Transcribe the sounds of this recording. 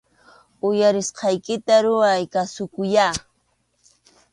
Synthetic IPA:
ʊjaɾɪsqɑjkɪt̪aɾʊajkasʊkʊja

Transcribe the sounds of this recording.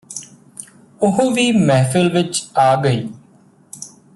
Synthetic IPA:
ʊɦʋiːmɛːfʰəlʋɪt͡ʃaːɡəiː

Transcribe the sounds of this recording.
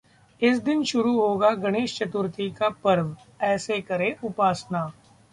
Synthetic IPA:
ɪsd̪ɪnʃʊɾuɦoːɡaɡɐɽ̃eːʃt͡ʃɐt̪ʊɾt̪ʰikapɐɾʋ | ɛːsekɐɾeʔʊpaːsnaː

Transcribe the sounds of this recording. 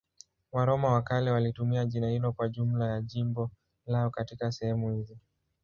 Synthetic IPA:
waɾɔmawakalɛwalitumiaʄinahilɔkwaʄum̩lajaʄimbɔ | laɔkatikasɛhɛmuhizi

